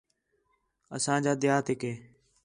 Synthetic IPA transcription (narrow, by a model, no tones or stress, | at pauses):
əsãːd͡ʒaːd̪ɪjaːt̪ɦɪkɦeː